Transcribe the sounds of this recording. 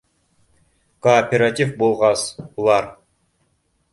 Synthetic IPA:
koːpʲeɾat̪ʲifbolˠʁɑsulˠɑɾ

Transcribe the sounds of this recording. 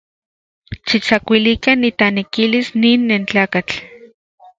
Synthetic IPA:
ʃit͡sakʷilikanːit̪anekilisniːnːent͡ɬaːkat͡ɬ

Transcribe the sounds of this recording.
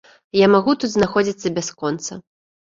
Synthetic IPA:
jamaɣut̪ut̪znaxɔd͡zʲit̪sːɐbʲaskɔnt̪sɐ

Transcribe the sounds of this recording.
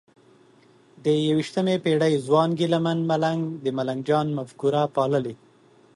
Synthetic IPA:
d̪əjawiʃt̪əmepeɽəjzwɑnɡilamanmalaŋɡd̪əmalaŋɡd͡ʒɑnmafkuɾapɑləle

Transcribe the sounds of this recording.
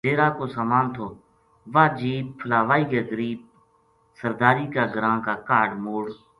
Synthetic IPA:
d̪eːɾaːkoːsaːmaːnt̪ʰoː | ʋaːd͡ʒiːb̚pʰəlaːʋaːiːkeːɡəɾiːb̚ | səɾd̪aːɾiːkaːɡəɾãːkaːkaːɖmoːɽ

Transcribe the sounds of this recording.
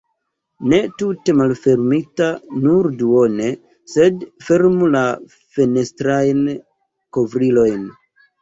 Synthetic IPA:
ne̞tute̞malfe̞ɾmitanuɾduo̞ne̞ | se̞dfe̞ɾmula | fe̞ne̞stɾajn | ko̞vɾilo̞jn

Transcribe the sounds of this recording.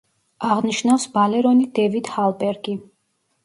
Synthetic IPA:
aʁniʃnafsbalɛɾɔnid̪ɛvid̪halˠbɛɾɡi

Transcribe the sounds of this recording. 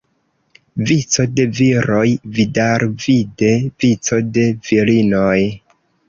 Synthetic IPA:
vit͡so̞de̞viɾo̞jvidaɾvide̞vit͡so̞de̞v̥ilinoj

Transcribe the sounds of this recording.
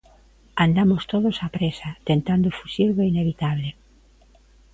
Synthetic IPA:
and̪amost̪oðosapɾesat̪ent̪and̪ofusiɾɣoeineβ̞it̪aβ̞le

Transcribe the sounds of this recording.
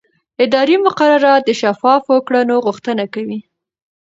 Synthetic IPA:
ɪd̪ɑɾimʊqaɾaɾɑt̪̚d̪əʃafɑfwəkɽanoɣuxt̪ənakawi

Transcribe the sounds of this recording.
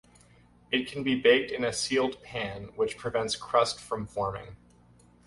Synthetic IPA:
ɨt̚kʰn̩bibeɪk̚tɨ̃nɨsilˠd̚pʰæ̃nwɨt͡ʃpʰɹ̥ɨvɛ̃ntskʰɹ̥ʌstfɹʌ̃ɱfɔɹmɪ̰̃ŋ

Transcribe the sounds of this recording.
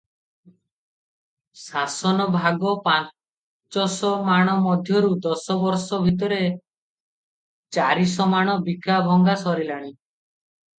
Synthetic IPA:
sasɔnɔbʱaɡɔpa | t͡ʃɔsɔmaɽ̃ɔmɔd̪ʱjɔɾud̪ɔsɔbɔɾsɔbʱit̪̬ɔɾe | t͡ʃaɾisɔmaɽ̃ɔbikabʱɔŋɡasɔɾilaɽ̃i

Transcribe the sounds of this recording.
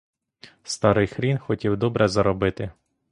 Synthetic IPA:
st̪ɑɾɪjxɾʲinxɔtʲiwd̪ɔbɾɛzɐɾɔbɪt̪ɪ

